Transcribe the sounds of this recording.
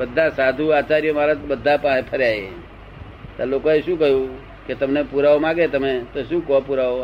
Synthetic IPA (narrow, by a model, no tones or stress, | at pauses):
bəd̪ʱːasad̪ʱuat͡ʃaɾjəmaɾat̪bəd̪ʱːapãɦẽpʰəɾjae | t̪əlokɔ̃esukəɦju | ket̪əmnepuɾaomãɡet̪əmẽt̪ɔsukɔpuɾao